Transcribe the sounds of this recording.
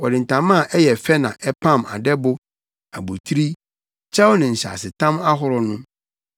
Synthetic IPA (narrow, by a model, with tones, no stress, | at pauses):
ɔ˨dɪ˨n̩˨tʰã˨mã˦˨ʔɛ˦jɛ˨fɛ˦nã˨ʔɛ˦pʰã˦˨ma̰˨dɛ˦bʊ˦ | a̰˨bu˨tʰɾi˦ | t͡ɕʰa˦wnɪ̃˨ɲ̩˨ɕa̰˨sɪ˨tʰã˦ma˦ɦʊ˦ɾɔ˦nʊ̃˦